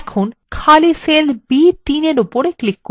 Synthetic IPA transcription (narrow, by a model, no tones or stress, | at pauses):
ɛkʰonkʰaliselbit̪ineɾupoɾeklikːo